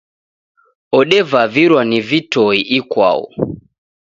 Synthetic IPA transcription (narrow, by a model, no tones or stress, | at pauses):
ɔɗɛvaviɾwanivitɔiʔikwa̰ɔ̰